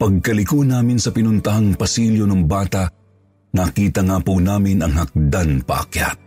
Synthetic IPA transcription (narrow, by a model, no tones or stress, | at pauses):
pɐɡ̚kɐlɪkonaːmɪnsɐpɪnʊnt̪ɐɦaŋpɐsiljonɐŋbaːt̪ɐʔ | ŋakiːt̪ɐŋaːpunaːmɪnɐŋhɐk̚d̪anpɐ̰ʔɐ̰kja̰t̪̚